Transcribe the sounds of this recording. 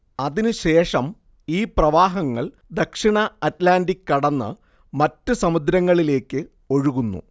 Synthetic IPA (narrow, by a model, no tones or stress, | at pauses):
ɐðinɨɕe̞ːʂɐm | iːprɐʋaːɦɐŋːɐɭ | d̪ɐkʂiɳɐɐtlaːndikʲːɐɽɐnːɨ̰ | mɐtːɨsɐmud̪ɾɐŋːɐɭile̞ːkːɨ | o̞ɻuɣunːṵ